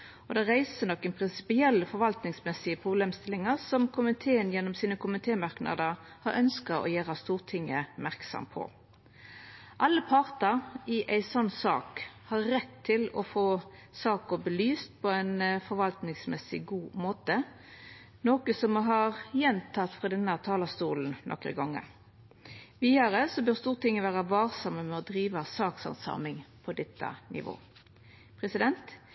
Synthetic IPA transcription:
ɔd̪ɛʁæɪsənɔkːənpʰʁɪnsɪ̥pɪɛlːəfɔɾʋɑlt̪nɪŋsmɛsɪəpʰʁʊbleːmst̪ɪlɪŋəɾsɔmkʰʊmɪt̪ʰeːənjɛnːɔmsiːnəkʰʊmɪt̪ʰeːmɑɾknɑ̰d̪əɾ | hɑɾʔœnskɑɔ̰jæːɾɑst̪uːʁt̪ʰɪŋːəmæʁksɑ̰mpʰɔ̰ | ʔɑlːəpʰɑʁt̪əɾɪʔæɪsɔnːsɑ̰ːkhɑɾːɛt̪ʰːɪlɔfoːsɑːkɔbəlyːst̪̚pʰɔæɪnfɔɾʋɑlt̪nɪŋsmɛsɪ̰ɡuːmoːt̪ə | noːkəsɔmɦɑʁjɛnt̪ʰɑt̪fʁɑd̪ɛnːət̪ʰɑːlɑst̪ṵːln̩nʔɔ̰kɾə̰ɡɔŋːə̰ | ʋiːɑɾəsɔbœʁst̪uːʁət̪ɪŋːəʋæːʁɑʋɑːʁsɔməmɛɔd̪ɾiːʋɑsɑːksɑ̰nsɑ̰ːmɪŋpʰɔd̪ɛt̪ʰːɑ̰nʔɪ̰ʋo̰ː | pʰʁɛsɪd̪ɛnt̪

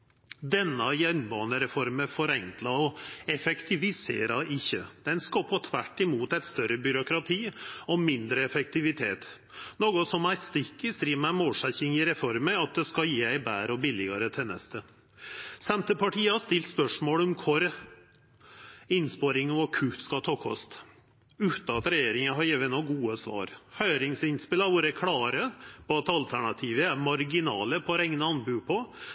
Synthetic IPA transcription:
d̪ɛnːəjɛnbɑːnəɾɛfɔɾməfɔɾɛŋklɑɔɛfɛkt̪ʰɪʋɪsḛːɾɑʔɪçːəd̪̥ɛnskɑpʰoːt̪ʰʋæʈːɪmuːt̪æɪt̪st̪œɾəbʏɾʊkɾɑt̪ʰiːɔmɪnd̪ɾəɛfɛk̚t̪ɪʋɪt̪ʰeːt̪ | noːɡʊsɔmæɾst̪ɪkːəɾsd̪ɾiːʋəmæmoːlʂɛçɪŋɪɾɛfɔɾməɾɑt̪̚d̪ɛskɑjiːæɪbæːɾɔbɪlɪɡɑɾət̪ʰɛnɛ̰st̪ə | sɛmt̪əpʰɑʈʰiːəhɑʂt̪ɪlt̪spœʂmoːlɔmkʰʊɾ | ɪnspoɾɪŋnuɔkʰʉfskɑt̪ʰɑːkʰɔ̰st̪ | ʉːt̪ɑt̪ɾɛjeːɾɪŋəɦɑɾjeːʋənɔɡuːəsʋɑ̰ːɾhœʏɾɪŋsɪnspɪləɑɾʋoɾəkʰɽɑːɾəpʰɔɑt̪ɑlt̪ʰæɳɑt̪ʰiːʋəmɑɾɡɪnɑːləpʰɔɾɛŋnəɑnbʉːpʰɔ

